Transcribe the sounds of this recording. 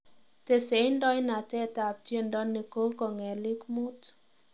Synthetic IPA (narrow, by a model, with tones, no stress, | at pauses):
te˨se˨˦ndɔ˦jna˨tɛ˦ta˨p̚tje˦ndɔ˦nːe˨ko˦kɔ˨ŋɛ˨lɪ˦kmʊ˦t